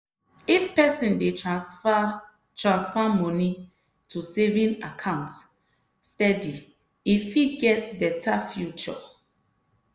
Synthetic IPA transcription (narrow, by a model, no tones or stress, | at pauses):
ifpɛsĩnde | tɹãnsfɔmɔni | tusevĩnakʰãʊ̃nt | stɛdi | ifiɡɛtbɛtʰafjut͡ʃɔ̰